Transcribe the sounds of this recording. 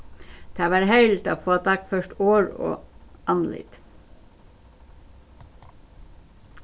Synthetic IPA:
d̪̥ʰɑːʋɑːɾhœʏlt̪ɑːʋfoːt̪ʰɑkfœʃʈoːɹo̰ːʔɑnlɪ̰t̪

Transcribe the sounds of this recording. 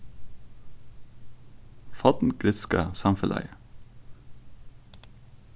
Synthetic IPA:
fɑt̪n̩ɡɾɪt̪skəsɑmfəlʔæ̰ɪə

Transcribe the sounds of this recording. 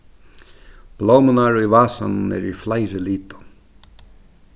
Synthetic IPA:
b̥loːmənaɹivaːsa̰nnɛ̰ɾiflajɾɪliːt̪ʊ̥

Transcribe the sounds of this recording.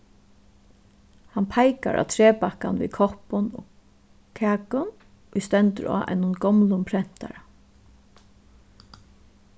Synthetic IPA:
hanpʰajka̰ɹʔa̰ːt̪ʰɾɛːpakanvḭkʰɔhpʊnɔ̰ | kʰæːkʊn | ʊjst̪ɛnt̪əɹa̰ːʔɛ̰nʊnɡɔmlʊmpʰɾɛn̥t̪aɾa

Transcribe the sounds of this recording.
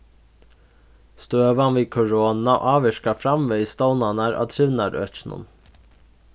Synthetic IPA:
st̪øːʋɑnʋiːkʰʊɹoːnɑʔɑːʋɛʃkɑfɾɑmʋeːiːst̪oʊnɑnæɾʔɑ̰ːt̪ʰɾɪʋnɑɾœ̰çnʊ̰n

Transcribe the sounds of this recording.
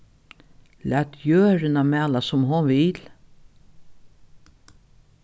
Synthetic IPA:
læːt̪ʰjøːɾənamæːlasʊmɦʊnvɪl

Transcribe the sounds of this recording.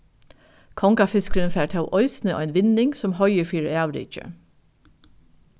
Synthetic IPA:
kʰɔŋkɑfɪskəɾənfæːʈ̪ʰɑʊʔœʏsnəo̰ːæɪnʋɪnɪŋsɔmhœʏəfyːɾæːʋlɪ̰ɪ̰c͡çə̰

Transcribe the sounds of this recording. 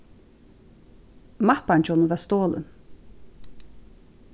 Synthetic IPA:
mahpant͡ɕɔnəvɛst̪oːlə̰n

